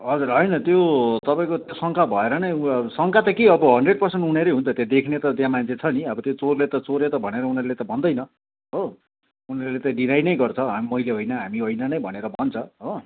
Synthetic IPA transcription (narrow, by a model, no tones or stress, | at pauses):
ɦʌd͡zuɾɦʌjnʌt̪jot̪ʌpaĩkot̪josʌŋkʰabʱʌeɾʌnʌjsʌŋkʰat̪ʌkiʌbʌɦʌnɖreɖ̚pʌrsenʈuneɾʌjɦũnt̪ʰʌt̪jad̪ekʰnet̪ʌt̪jãmant͡sʰet͡sʰʌniʌbʌt̪jot͡sorlet̪ʌt͡soɾet̪ʌbʱʌneɾʌunʌrlet̪ʌbʱʌnd̪ʌjnʌ | ɦo | unʌrlet̪ʌɖinajnʌjɡʌrt͡sʰʌmʌjleɦojnʌɦamiɦojnʌnʌjbʱʌneɾʌbʱʌnt͡sʰʌɦo